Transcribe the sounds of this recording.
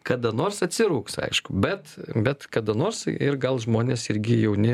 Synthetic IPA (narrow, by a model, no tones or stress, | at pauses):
kɐd̪ɐnoːrsɐt̪ʲsʲɪɾuːksɐ̰ɪʃkʊbʲɛt̪bʲɛt̪kɐd̪ɐnoːrsɪrɡɐlˠʒmoːnʲeːsɪrʲɡʲɪjɛʊnʲɪ